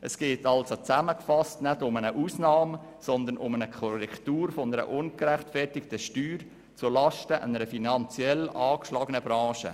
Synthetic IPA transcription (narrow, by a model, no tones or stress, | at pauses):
ʔəsɡ̥eːtɑlsot͡sæməkfɑstnædʊmənəʔuːsnɑːm | sɔnd̪ənʔʊmənəkʰoɾɛktuːɾfonəɾə̰ʔʊnkɾæχtfɛrtɪktəʃtyːɾ | t͡sulɑʃtəʔə̰nəɾəfinɑnt͡sjɛlɑːkʃlɑːɡənəbɾɑ̃ːʃə̰